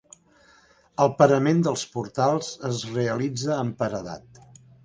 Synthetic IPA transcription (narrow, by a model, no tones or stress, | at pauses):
əlˠpəɾəmend̪əlˠspuɾt̪alˠz̥əzreəlid͡zəːmpəɾəða̰t̪